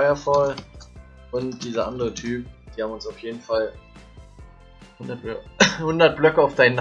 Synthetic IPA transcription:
ɪɐfɔl | ʔʊntd̥iːzɐʔandəʁətʰyːp̚d̥iːhaːmʊnsaʊfjeːdn̩fal | hʊndɐthʊndɐt̚b̥lœkəaʊfd̥aɪnn

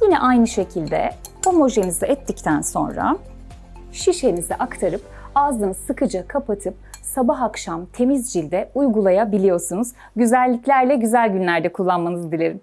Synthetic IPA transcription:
jinɛ̰ʔajnɯʃe̞cʰilʲd̪ɛ̰ | ho̞mo̞ʒe̞nizɛɛt̪ʰːict̪ʰænso̞nɾa̰ | ʃiʃe̞nizɛʔakt̪ʰaɾɯp | azɯnzɯkʰɯd͡ʒakʰapat̪ʰɯp̚sabaɦakʃamt̪ʰe̞mizd͡ʒilʲd̪ɛujɡulˠajabilʲijo̞ɾsunuz̥ | ɟyzælʲːiclʲæɾlʲɛɟyzælʲɟynlʲæɾd̪ɛkʰulˠːanmanɯzd̪ilʲe̞ɾim

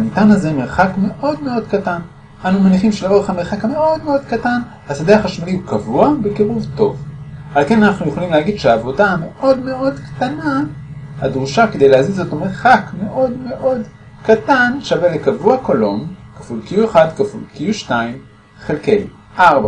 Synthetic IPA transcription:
anit̪anazeme̞ʁχakme̞ʔo̞d̪me̞o̞dkatan | ʔanumaniχimʃelao̞eχhame̞ʁχakame̞ʔo̞d̪me̞o̞d̪katan | hasadehaχaʃmaliukavuabe̞keʁuvto̞̰valke̞nanaχnujeχolimlehaɡid̪ʃeaːvo̞dame̞ʔo̞dme̞ʔo̞dkt̪ana | had̪ʁuʃake̞d̪ejlehazizo̞tomeʁχakme̞ʔo̞dme̞ʔo̞d | katanʃavelekavuakolo̞mkafulkijueχad̪kafulkijuʃtaim | χelke̞j | ʔaʁba

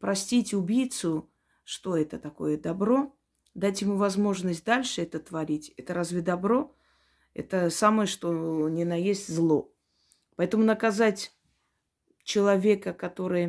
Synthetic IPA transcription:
pɾɐsʲtʲitʲʊbʲijt̪sʊ | ʂt̪o̞ɛt̪ət̪ɐko̞̰jəd̪ɐbɾo̞ | d̪atʲjɪmuvɐzmo̞ʐnəs̬ʲt̚ʲd̪alʲʂɨɛt̪ət̪vɐɾʲitʲɛt̪əɾazvʲɪd̪ɐbɾo̞ | ɛ̰t̪əsaməjəʂt̪onʲɪnɐjesʲtʲzlˠo̞ | pɐɛt̪əmʊnəkɐzatʲ | t͡ɕɪlˠɐvʲe̞kəkɐt̪o̞ɾɨj

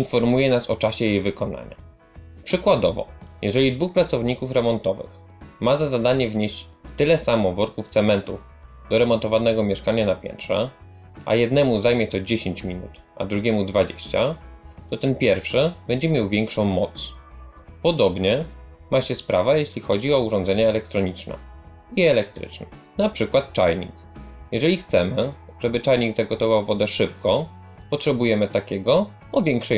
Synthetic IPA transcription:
infɔɾmujɛnasɔt͡ʂaɕɛjejvɘkɔna̰ɲa̰ | pʂɘkwad̪ɔvɔ̰jɛʐɛlʲid̪vuxpɾat̪sɔvɲikufɾɛmɔnt̪ɔvɘ̰x | mazazad̪aɲɛvɲeɕt͡ɕt̪ɘlɛsamɔvɔɾkuft̪sɛmɛnt̪ṵ | d̪̥ɔɾɛmɔnt̪ɔvanɛɡɔmʲjɛʂkaɲanapʲjɛ̰nt̪ʂɛ̰ | ʔa̰jɛd̪nɛmuzajmʲjɛt̪ɔd͡ʑeɕeɲt͡ɕmʲinṵt̪ | ʔa̰d̪ɾuɡʲjɛmud̪vad͡ʑḛɕt͡ɕa̰t̪ɔt̪ɛnpʲjɛɾfʂɘbɛɲd͡ʑɛmʲjawvʲjɛŋkʂɔ̃w̃mɔt̪s | pɔd̪ɔbɲɛ | maɕɛspɾavajeɕlʲixɔd͡ʑiɔuʐɔnd̪zɛɲaɛlɛk̚t̪ɾɔɲit͡ʂnɛ̰ | iɛlɛkt̪ɾɘ̰t͡ʂnɛ | napʂɘkwat̪̚t͡ʂa̰jɲḭk | jɛʐɛlʲixt̪sɛmɘ | ʐ̥ɛbɘt͡ʂajɲiɡzaɡɔt̪ɔvawvɔd̪ɛʂɘp̚kɔ | pɔtʂɛbujɛmɘt̪akʲɛɡɔ | ɔvʲjɛŋkʂɛ

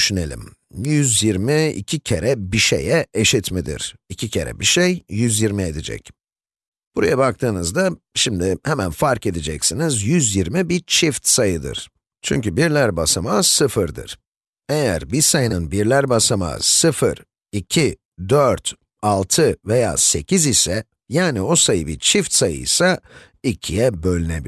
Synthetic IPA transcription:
ʃynelʲḭm | jyzjiɾmiḭcʰicʰeɾɛbiʃḛjɛeʃit̪mid̪ḭɾ̥icʰicʰe̞̰ɾɛ̰biʃejjyzjiɾmied̪id͡ʒɛ̰c | b̥uɾa̰jabak̚t̪ʰɯːnɯzd̪a | ʃimd̪ɪhɛmænfaɾke̞d̪id͡ʒɛcsinizjyzjiɾmibit͡ʃʰift̪sajɯd̪ɯ̰ɾ̥ | t͡ʃʰy̰ɲcybiɾlʲæɾbasamasɯfɯɾd̪ɯ̰ɾ̥ | e̞jæ̰ɾbisajɯnɯnbiɾlʲæɾbasama̰sɯfɯ̰ɾ | icʰi | d̪øɾt̪ | alˠt̪ʰɯve̞ja̰ːse̞cʰizisɛ | jaːnio̞sajɯbit͡ʃʰift̪sajɯ̰isa | icʰijɛbølʲinebi

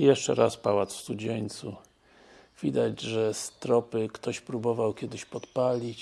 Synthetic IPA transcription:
jɛʂt͡ʂɛ̰ɾʔaspawat̪sfst̪ud͡ʑɛɲt̪su | vʲid̪ad͡ʑʐɛst̪ɾɔpɘkt̪ɔɕpɾubɔvawkʲɛd̪ɘɕpɔt̪palʲit͡ɕ

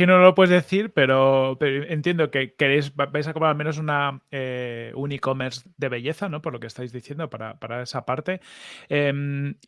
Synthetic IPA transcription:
inolopwe̞e̞zðe̞θiɾpe̞ɾo̞peɾent̪je̞nd̪o̞ke̞ke̞ɾejzbajs̬akopɾaɾalme̞no̞s̬unaeuniko̞me̞ɾzd̪e̞βe̞ʝe̞θano̞po̞ɾlo̞kest̪ajzðiθje̞nd̪opaɾa̰paɾae̞sapaɾt̪e̞em

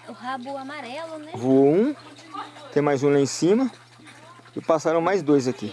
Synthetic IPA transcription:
habamaɾɛlʊnvuoũ | t̪ẽj̃majzũlãẽsĩmɐ | ɪpasaɾɐ̃w̃majzd̪ojzaki

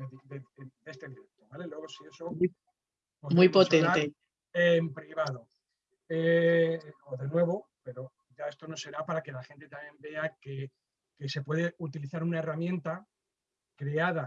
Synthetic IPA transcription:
eded̪est̪eðiɾekt̪oβale̞lwe̞ɣ̞osie̞so̞ | omuipotseɾat̪e | empɾiβ̞aðo̞ | e | oðe̞nwe̞β̞o̞pe̞ɾo̞ | ʝae̞st̪o̞no̞se̞ɾapaɾake̞laxe̞nt̪e̞t̪amjẽ̞mbe̞ake | ke̞se̞pwe̞ðeut̪iliθaɾunaeramjẽ̞nt̪a | kɾe̞aða

